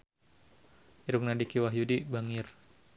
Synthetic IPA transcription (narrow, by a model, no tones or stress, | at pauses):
iɾuk̚nadikiwaɦjudibaŋɪr